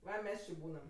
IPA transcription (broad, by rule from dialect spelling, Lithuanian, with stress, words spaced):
ˈʋɐ ˈmʲɛs t͡ʃʲɪ ˈbuːnɐm